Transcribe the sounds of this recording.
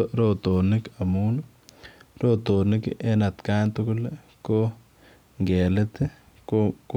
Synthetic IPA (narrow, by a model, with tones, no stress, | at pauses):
ɾo˨t̪o˨nɪka˨mu˦n | ɾo˦t̪o˨nɪ˦kʔe˦na˨t̪ka˦nt̪ukule | ko˦ | ŋɡe˨let̪e˦ | kok